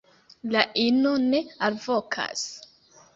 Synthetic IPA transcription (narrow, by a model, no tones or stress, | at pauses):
laʔinone̞alvokʰa̰s